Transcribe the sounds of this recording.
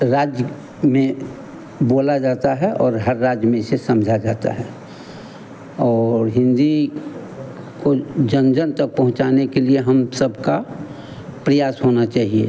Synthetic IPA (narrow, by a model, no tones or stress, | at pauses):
ɾaːd͡ʒ | mẽ | boːlad͡ʒaːt̪aɦɛʔɔːɾɦɐɾːaːd͡ʒjmẽsesɐmd͡ʒʱad͡ʒaːt̪a̰ɦɛ | ɔːɾɦɪ̃nd̪i | kod͡ʒə̃nd͡ʒənt̪ɐk̚pɐɦʊ̃t͡ʃaːnekelieɦɐmsəbka | pɾəjaːsɦoːnat͡ʃaːɦiḛ